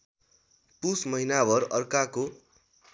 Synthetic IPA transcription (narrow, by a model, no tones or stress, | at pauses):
pusmʌɦinabʌɾʌrkako